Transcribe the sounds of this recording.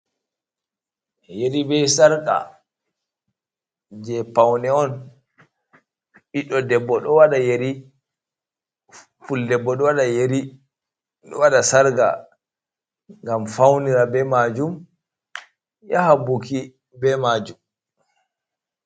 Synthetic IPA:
jeɾibɛjsaɾkʼa̰ | d͡ʒɛpawnɛɔn | ɓiɗɔdɛbːɔɗɔwaɗajeɾi | fuldɛbːɔɗɔwaɗajeɾi | ɗɔwaɗasaɾɡa̰ | ŋɡamfawniɾabɛmad͡ʒum | jahabuki | bɛmad͡ʒum

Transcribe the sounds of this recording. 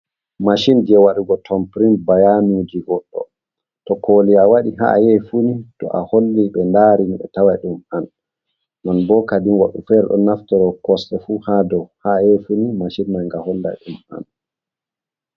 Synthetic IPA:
maʃind͡ʒiɛwaɗuɡɔtʰɔmpɾinbajanud͡ʒiɡɔɗːɔ̰ | tɔkʰoːliawaɗiɦa̰jɛfunitɔ̰ʔa̰holːiɓɛndaɾimiɓɛ̰tawajɗuman | nanbɔkadinwaɗufɛɾɛɗɔ̰naftɔɾɔkɔstɛfuːhadɔwhajɛfunimaʃinmajŋɡahɔlːa̰jɗuma̰n

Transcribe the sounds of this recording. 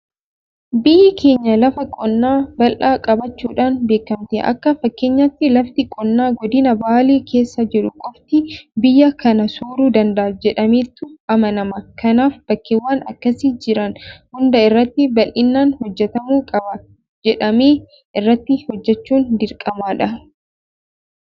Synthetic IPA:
bɪjːɪkʰe̞ːɲːɐlɐfɐkʼɔnːaːbɐlʔaːkʼɐbɐt͡ʃːuːᶑaːnbe̞ːkːɐmt̪ɛʔɐ̰kːɐfɐkːe̞ːɲːɐt̪ːɪlɐft̪ɪkʼɔnːaːɡɔd̪ɪnɐbaːleːkʰe̞ːsːɐd͡ʒɛᶑʊkʼɔbt̪ɪbɪjːɐkɐnɐsuːɾuːd̪ɐnd̪ɐʔɐd͡ʒɛᶑɐmiːt̪ːʊɐmɐnɐmɐkɐnaːfb̥ɐkːewːaːnɐ̰kːɐsɪd͡ʒɪɾɐnhʊnd̪ɐɪrːɐt̪ːɪbɐlʔɪnːaːnhɔd͡ʒːɛt̪ɐmuːkʼɐbɐ | d͡ʒɛᶑɐmeː | ʔɪrːɐt̪ːɪhɔd͡ʒːɛt͡ʃːuːnd̪ɪɾkʼɐmaːᶑɐ

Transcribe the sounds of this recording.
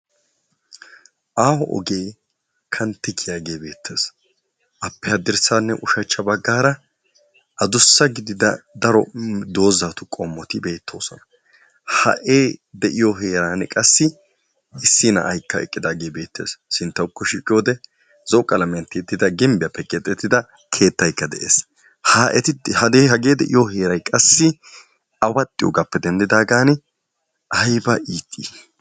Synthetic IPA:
ʔaːhɔʔɔ̰ɡe̞ː | kʰɐnt̪ːɪkʰɪjaːɡe̞ːbe̞ːt̪ʰːeːs | ʔɐpːɛhɐd̪ɪɾsaːnːɛʔʊʃɐt͡ʃːɐbɐɡːaːɾɐ | ʔɐd̪ʊsːɐɡɪd̪ɪd̪ɐd̪ɐɾɔd̪o̞ːzaːt̪ʊkʼomːɔt̪ɪbe̞ːt̪ʰːo̞̰ːsɔnɐ | hɐ̰ʔe̞ːd̪ɛʔɪjoɦeːɾaːnɛkʼɐsːɪ | ɪsːɪnɐ̰ʔɐjkːɐɛ̰kʼːɪd̪aːɡeːbe̞ːt̪ːeːssɪnt̪ːɐwkːɔʃiːkʼɪjo̞ːd̪ɛ | z̥ɔkʼːɐlɐmɪɐnt̪ɪt̪ːɪd̪ɐɡɪmbɪjɐpːɛkʼɛt̪ʼːɛt̪ːɪd̪ɐ | kʰe̞ːt̪ːɐjkːɐd̪ɛ̰ʔḛːs | haːʔɛt̪ɪhɐd̪eːhɐɡe̞ːd̪ɛʔɪjoɦe̞ːɾɐjkʼɐsːɪ | ɐwɐt̪ʼːɪjo̰ːɡɐpːɛd̪ɛnd̪ɪd̪aːɡaːn | ɐjbɐʔiːt̪ʼːi

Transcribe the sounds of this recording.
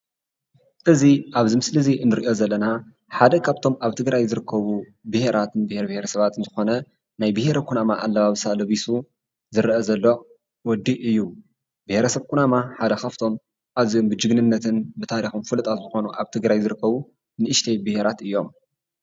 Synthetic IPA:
ʔɨziʔaβzimɨslɨziɨnːɨɾiʔo̞zɐlːɐna | ħad̪ɐkʰaβt̪ʰo̞maβt̪ʰɨɡɾajzɨɾɨkʰːɐβubɨhe̞ɾʔat̪ɨnbɨheɾɐbɨheɾɐsɐβat̪ɨnzɨxo̞nɐ | najbɨheɾɐkʰunamaʔalːɐβaβsalɐβisu | zɨɾʔɐzɐlːo̞ | wɔd̪ːiʔɨjːu | bɨheɾɐsɐβkʰunamaħad̪ɐkʰaft̪ʰo̞m | ʔazjo̞mbɨd͡ʒɨɡnɨnːɐt̪ʰɨnbɨt̪ʰaɾixumfɨlɨt̪ʼazɨxo̞nuʔaβt̪ʰɨɡɾajzɨɾɨkːɐβu | nɨʔɨʃt̪ʰejbɨhe̞ɾat̪ɨjːo̞m

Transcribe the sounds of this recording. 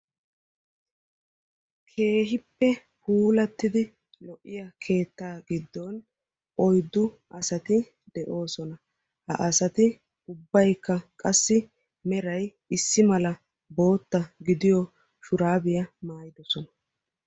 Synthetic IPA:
kʰe̞ːɦɪpːɛ | huːlɐt̪ːɪd̪ɪ | lɔʔːɪjɐkʰe̞ːt̪ːaːɡɪd̪ːon | ʔɔjd̪ːʊ | ʔɐsɐt̪ɪ | d̪ɛʔo̞ːsɔnɐ | hɐ̰ʔɐsɐt̪ɪ | ʊbːɐjkːɐkʼɐsːɪ | mɛɾɐj | ɪsːɪmɐlɐ | bo̞ːt̪ːɐɡɪd̪ɪjɔ | ʃʊɾaːbɪjɐmaːjɪd̪ɔsɔnɐ

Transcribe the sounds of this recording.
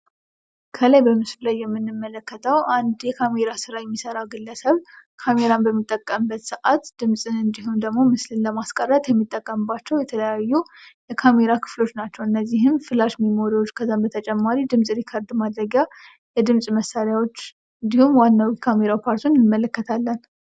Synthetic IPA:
kʰəlajbəmɨslulajːɛmːɨnːɨmːələkːət̪ʰəwʔand̪jɛkʰame̞ɾasɨɾajɛmːisəɾawɡɨlːəsəβkʰame̞ɾanbəmːit̪ʼːəkʼːəmbːət̪sɨʔat̪d̪̥ɨmsʼɨnɨnd̪iɦumd̪əɡmo̞mɨslɨnləmaskʼərːət̪jɛmːit̪ʼːəkʼːəmbat͡ʃːɛwjɛt̪ʰələjajːujɛkʰame̞ɾakʰɨ̥flo̞t͡ʃːnat͡ʃːɛwɨnːəzːiɦɨmfɨlaʃmimoɾiot͡ʃːkʰəzambət̪ʰət͡ʃʼɛmːaɾid̪ɨmsʼɨɾikʰəɾd̪mad̪ɾəɡja | jɛd̪ɨmsʼməsːaɾjawo̞t͡ʃː | ɨnd̪ihumwanːawikʰame̞ɾawpʰaɾt̪ʰunnɨmːələkːət̪ʰalːən

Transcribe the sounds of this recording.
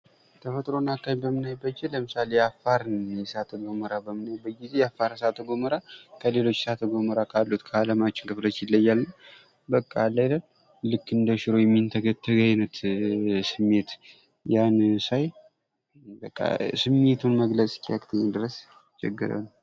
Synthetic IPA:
t̪ʰəfət̪ʼɾo̞nakːaɲbəmɨnajbəd͡ʒːeləmɨsalejafːaɾnnjɛsat̪ʰəɡoməɾabəmɨnajbːəɡizejafːaɾsat̪ʰːəɡoməɾakʰəle̞lo̞t͡ʃːsat̪ʰəɡoməɾakʰalːut̪kʰəalamat͡ʃːɪnkʰɨflət͡ʃːjɪlːəjːalnəw | bəkʼːalajlən | lɨkːɨnd̪əʃɪɾojɛmːint̪ʰəɡət̪ʰːəɡajnət̪sɨmːe̞t̪ | jansaj | bəkʼːa̰sɨmːe̞t̪ʰunməɡlət͡sʼkʼiakʼt̪ʰəɲːɛd̪ɨɾəs | t͡ʃːɛ̰ɡːɨ̰ɾa̰lː

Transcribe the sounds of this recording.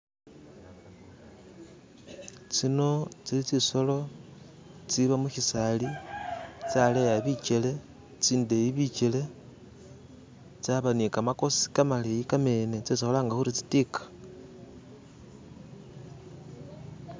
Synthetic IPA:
t͡sino̞t͡silit͡siso̞lo̞ | t͡siβamuçisali | t͡salejaβit͡ʃele̞ | t͡siːndeiβit͡ʃele̞ | t͡saβanikamako̞si̥kamalejikame̞ne̞t͡sesixolaːŋɡaxuɾit͡si̥tikḁ

